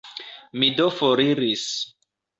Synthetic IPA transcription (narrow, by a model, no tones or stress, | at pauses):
midofoɾiɾis